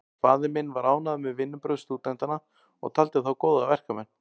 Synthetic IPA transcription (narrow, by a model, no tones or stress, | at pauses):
faːðɪmɪnvaɾaːwnaðmɛðvɪnːʏpɾœwst̪uːt̪ɛnt̪ana | ɔ̰ɣt̪ʰalt̪ɪθawkɔːwðavɛr̥kamɛnː